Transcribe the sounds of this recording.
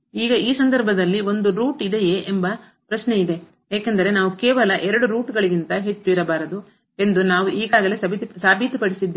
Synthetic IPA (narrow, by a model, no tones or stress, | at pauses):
iːɡɐʔiːsɐnd̪ɐɾbʱɐd̪ɐlːio̞nd̪uɾuːʈid̪e̞jeʔembɐ | pɾɐsne̞id̪e̞ | eːkend̪ɐɾe̞naːʋukeːʋɐlɐʔɛɾɐɽuɾuːʈɡɐɭiɡint̪ɐɦe̞t͡ʃːuiɾɐbaːɾɐd̪u | e̞nd̪unaːʋuʔiːɡaːɡɐle̞sɐbʱisaːbʱit̪pɐɽisid̪ːe